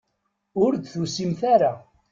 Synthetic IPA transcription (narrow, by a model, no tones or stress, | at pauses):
ʊɾd̪θusimθaɾa